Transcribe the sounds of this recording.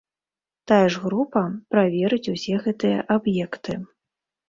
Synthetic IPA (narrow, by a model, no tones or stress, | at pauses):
t̪ajɛʐɣɾupɐpɾavʲɛɾɨt͡sʲusʲɛɣɛt̪ɨjɐʔabjɛkt̪ɨ